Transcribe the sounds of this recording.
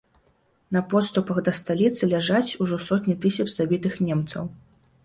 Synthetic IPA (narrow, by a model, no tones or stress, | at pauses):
nɐpɔt̪st̪upɐxd̪ɐst̪alʲit̪sɨlʲaʐat͡sʲuʐɔsɔt̪ʲnʲit̪ɨsʲɐt͡ʂzabʲit̪ɨxnʲɛmt̪sɐ̰w